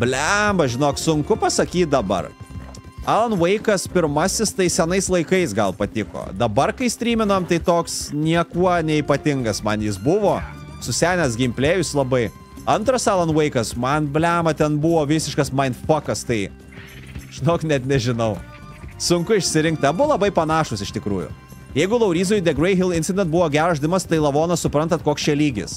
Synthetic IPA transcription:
bʲlʲæːmɐʒʲɪnoːksʊŋkʊpɐsɐkʲiːt̪̚ʲd̪ɐbɐ̰r | æːlˠɐnʋɐɪkɐspʲɪɾmɐsʲɪst̪ɐɪsʲɛnɐɪslˠɐɪkɐɪsɡɐlˠpɐt̪ʲɪko̰ːd̪ɐbɐrkɐɪsʲt̪ʲɾʲiːmʲɪnoːmt̪ɐɪt̪oːksnʲiɛkuɔnʲɛipɐt̪ʲɪŋɡɐsmɐnjɪs̬bʊʋoː | sʊsʲæːnʲɛs̬ɡʲɪmʲpʲlʲeːjʊslˠɐbɐɪ | ɐnt̪ɾɐsɑlˠɐnʋɐɪkɐsmɐnbʲlʲæːmɐt̪ʲɛnbʊʋoːʋʲɪsʲɪʃkɐsmɐɪnt̪fɐkɐst̪ɐɪ | ʒ̥ʲɪnoːknʲɛt̪nʲɛʒʲɪnɐʊ | sʊŋkʊɪʃʲsʲɪɾʲɪŋk̚t̪ʲɐblˠɐbɐɪpɐnɑːʃʊsɪʃʲt̪ʲɪkɾuːjʊ̰ | jɛɪɡʊlˠɐʊɾʲiːzoːjʊd̪ʲɛɡɾɐɪɦʲɪlˠɪnʲsʲɪd̪ʲɛnt̪̚bʊʋoːɡʲæːɾɐʃʲd̪ʲɪmɐst̪ɐɪlˠɐʋoːnɐssʊpɾɐnt̪ɐt̪̚koːksʲt͡ʃʲɛlʲiːɡʲɪ̰s

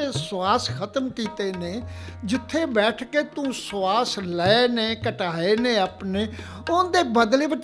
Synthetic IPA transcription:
eːsaːskʰət̪əmkiːt̪eːneːd͡ʒɪt̪ʰːeːbɛːʈʰkeːt̪ũːsaːslɛːeneːkəʈaːeːneːaːpneː | ʊd̪eːbəd̪leːbəʈ

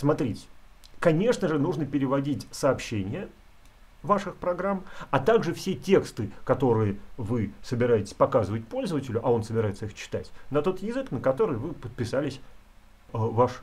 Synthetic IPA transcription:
smɐt̪ɾʲitʲ | kɐnʲe̞ʂnəʐɨnuʐnəpʲɪɾʲɪvɐdʲitʲsəːpɕːenʲɪjə | vaʂɨxpɾɐɡɾamɐt̪aɡʐɨfsʲetʲe̞kst̪ɨkɐt̪o̞ɾɨjəvɨsəbʲɪɾajɪtʲɪ̥sʲpɐkazɨvətʲpo̞lʲzəvətʲɪlʲʊʔɐo̞nsəbʲɪɾajɪt̪səixt͡ɕɪ̥t̪a̰tʲnɐt̪o̞t̪jɪzɨknəkɐt̪o̞ɾɨjvɨpət̪̚pʲɪsalʲɪsʲ | vaʂ

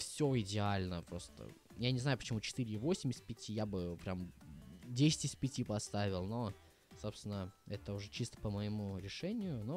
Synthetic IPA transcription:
fsʲo̞ɪdʲɪalʲnəpɾo̞st̪ə̰ | janʲɪznajʊpə̥t͡ɕɪmut͡ɕɪ̥t̪ɨɾʲɪivo̞sʲɪmʲɪsʲpʲɪtʲijabɨpɾʲamdʲesʲɪ̥tʲɪsʲpʲɪtʲipɐst̪avʲɪlˠno̞ | so̞pst̪vʲɪnəɛt̪əʊʐɛt͡ɕist̪ə̥pəməɪmuɾʲɪʂɛnʲɪjʊno

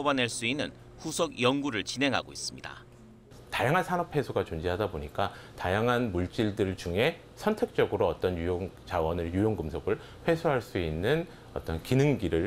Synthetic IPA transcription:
banaɭs͈uinːɯn | ɸusʰʌɡjʌŋɡuɾɯɭt͡ɕinɦe̞ŋɦa̰ɡois͈ɯmɲida̰ | tajaŋɦansʰanʌpʰe̞sʰoɡat͡ɕond͡ʑiɦadaboɲik͈atajaŋɦanmuɭt͡ɕ͈iɭdɯɭt͡ɕuŋe̞ | sʰʌntʰe̞k̚t͡ɕ͈ʌɡɯɾoʌt͈ʌnjujoŋt͡ɕawʌnɯɭjujoŋɡɯmsʰʌɡɯɭ | ɸwe̞sʰoɦaɭs͈uinːɯn | ʌ̰t͈ʌnkinɯŋɡiɾɯɭ

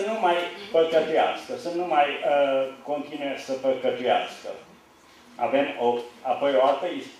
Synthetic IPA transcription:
ənumajpəkət̪ujaskəsənumajəko̞nt̪inuesəpəkət̪ujaskə̰ | a̰ve̞moapo̞joalt̪əis

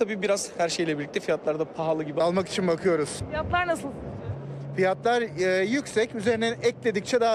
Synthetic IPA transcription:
abiːbiɾaz̥hæɾʃe̞jlʲɛbilʲic̚t̪ʰɛfijat̪lˠaɾd̪apʰaɦalˠɯɟibialˠmaki̥t͡ʃʰinbakʰɯjo̞ɾuz̥fijat̪lˠaɾnasɯlˠs | fijat̪lˠaɾjycsɛcyze̞ɾinɛnɛclʲe̞d̪ic̚t͡ʃʰɛd̪a

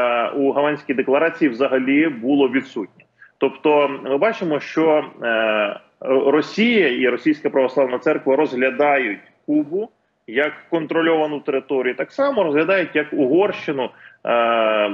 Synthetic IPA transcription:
uɦɐlˠɑnʲsʲkʲijd̪eklˠɐɾɑt͡sʲijiwzɐɦɐlʲibulˠɔʋʲid̪sutʲnʲɛt̪ɔpt̪ɔmɪbɑt͡ʃɪmɔʃt͡ʃɔ | rɔsʲijɐiɾɔsʲijsʲkɐpɾɐʋɔsˠɑʋnɐt̪sɛrkʋɐɾɔzɦlʲɐd̪ɑjʊtʲkubʊ | jɐkːɔnt̪ɾɔlʲɔʋɐnʊwt̪eɾɪt̪ɔɾʲijut̪ɑksɑmɔɾɔzɦlʲɐd̪ɑjʊt̚ʲjɐkʊɦɔrʃt͡ʃɪnʊ

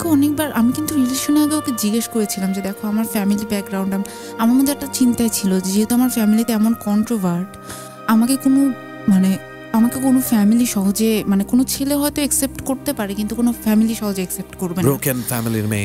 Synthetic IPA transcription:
ɛkʰoɔnek̚baɾʔamikint̪uɾiliʃonaɡeoked͡ʑiɡeʃkoɾet͡ɕʰilamd͡ʑed̪ɛkʰoamaɾfɛmilibɛk̚ɡɾawɳɖam | amaɾmod̪ɛk̚ʈat͡ɕint̪aet͡ɕʰilod͡ʑed͡ʑiɦet̪oamaɾfɛmilit̪eɛmonkɔɳʈɾobaɾʈ | amakekono | mane | amakekonofɛmiliʃɔɦod͡ʑemanekonot͡ɕʰeleɦɔet̪oeksep̚ʈkoɾt̪epaɾekint̪ukonofɛmiliʃɔɦod͡ʑeeksep̚ʈkoɾbenɾokenfɛmiliɾmḛ

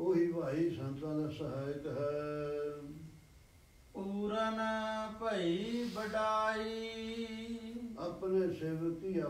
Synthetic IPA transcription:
oɦiʋaːɦisɐ̃nt̪ɾaːnəsəɦaːjk̪əɦɛ | uːɾənpəibəɖaːi | ɐpneseːʋkia

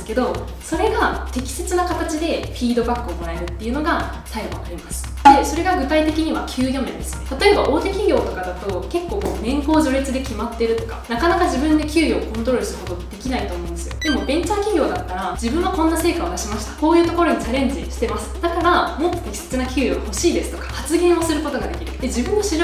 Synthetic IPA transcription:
sɨ̥ke̞d̪o̞ | so̞ɾe̞ɡat̪e̞kʲi̥se̞t͡sɨnakat̪at͡ɕid̪e̞ɸʲiːd̪o̞bakːɯ̟omoɾae̞ɾɯ̟t̪ːe̞iɯ̟noɡa | saiɡoβa̰kaɾʲimasɨ̥ | d̪̥e̞so̞ɾe̞ɡaɡɯ̟t̪ait̪e̞kʲiɲ̟iβakʲʰɨːjʲo̞mḛ̃nd̪e̞sɨ̥ne̞t̪at̪o̞e̞baʔo̞ːt̪e̞kʲiɡʲo̞ːt̪o̞kad̪at̪o̞ke̞kːo̞ːkoːnẽ̞ŋko̞ːʑo̞ɾet͡sɨd̪e̞kʲimat̪ːe̞ɾɯ̟t̪o̞̥ka̰nakanakaʑibɯ̟̃nd̪e̞kʲɨːjoːkõnt̪oɾo̞ɾɯ̟sɾkot̪o̞ɡad̪e̞kʲinait̪o̞ːmoɯ̃nd̪e̞sɨjo̰d̪̥e̞mo̞bẽ̞ɲ̟t͡ɕakʲiɡʲo̞ːd̪at̪ːaɾad͡ʑibɯ̃ɰ̃akõ̞nːase̞ːkao̞d̪aɕimaɕi̥t̪ḁko̞ːjɯ̟ːt̪oko̞ɾo̞ɲ̟it͡ɕaɾẽ̞ɲ̟d͡ʑiɕi̥t̪e̞masɨ̥d̪̥akaɾamo̞t̪ːo̥k̪ekʲi̥se̥t͡sɨnakʲɨːjoɡho̞ɕiːd̪e̞sɨ̥t̪o̞kḁhat͡sɨɡẽ̞ɰ̃o̞sɨɾɯ̟ko̞t̪o̞ɡad̪e̞kʲiɾɯ̟d̪̥e̞d͡ʑibɯ̟̃nːoɕiɾ

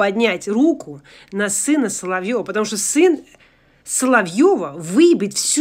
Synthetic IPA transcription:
ɐdʲnʲætʲrukʊ | nɐsɨnəsəlˠɐvʲjovəpət̪ɐmuʂt̪osɨn | səlˠɐvjovəvɨbʲɪtʲfsʲ

